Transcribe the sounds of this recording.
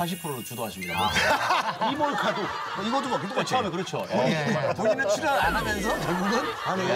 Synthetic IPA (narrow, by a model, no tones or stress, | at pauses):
saɕ̬ʰipʰɯɾoɾot͡ɕudoɦaɕʰimɲida̰ | imoɭkadoʌiɡʌd͈omakɯt͈ok͈at͡ɕʰamekɯɾʌt͡ɕʰooipoɲinɯt͡ɕʰiɾaɾanamjʌnsʰʌkʌɭɡuɡɯnane